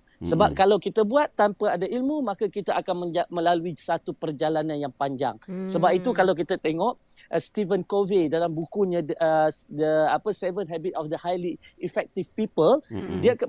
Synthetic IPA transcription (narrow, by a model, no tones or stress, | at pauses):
səbap̚kalawkit̪abuat̪ːampaadaʔilmumãkakit̪aʔakanmə̃d͡ʒamə̃laluisat̪upərd͡ʒalanãnjaŋpaɲd͡ʒa̰ŋsəbap̚it̪ukalawk̬it̪at̪eŋɔʔ | ʔst̪ivənkovedalambukuɲãdʔədəapəsɛvənɦabit̪̚ɔfd̪əhajliifɛk̚t̪ivpipəldia